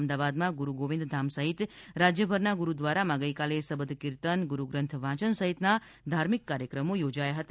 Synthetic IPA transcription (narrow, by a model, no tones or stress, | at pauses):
md̪aʋad̪mãɡuɾuɡoʋɪ̃nd̪d̪ʱamsəɦit̪ɾad͡ʒjəbʱəɾnaɡuɾud̪ʋaɾamãɡəjkalesəbəd̪ʱkiɾt̪ənɡuɾuɡɾə̃nt̪ʰʋãt͡ʃənsəɦit̪na | d̪ʱaɾmikːaɾjəkɾəmojod͡ʒajaɦət̪a